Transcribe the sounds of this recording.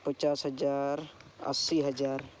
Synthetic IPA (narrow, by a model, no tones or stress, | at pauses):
pət͡ʃaːsɦɐd͡ʒaːɾə̰sːiɦɐd͡ʒaːɾ